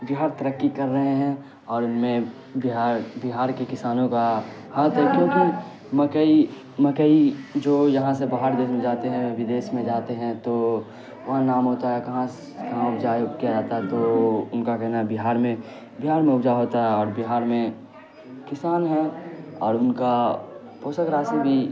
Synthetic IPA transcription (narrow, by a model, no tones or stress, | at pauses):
bɪɦaːɾt̪ɐɾəkːikɐɾːɐɦeɦɛ̃ | ɔːɾʊnmẽ | bɪɦaːɾbɪɦaːɾkekɪsaːnõka | haːt̪ɦɛkjõːki | mɐkəi | mɐkəid͡ʒoːjɐɦãsebaːɦaːɾd̪eːʃmẽd͡ʒaːt̪eɦɛ̃ʋɪd̪eːʃmẽd͡ʒaːt̪eɦɛ̃t̪o | ʋɐɦãnaːmɦoːt̪ajakɐɦã | kɐɦãʊbd͡ʒaːjoɡkijad͡ʒaːt̪aɦɛt̪oʊnkakɛɦnaɦɛbɪɦaːɾmẽ | bɪɦaːɾmẽʊbd͡ʒaɦoːt̪aɦɛɔːɾbɪɦaːɾmẽ | kɪsaːnɦɛɔːɾʊnka | poːsəkɾaːsebʱi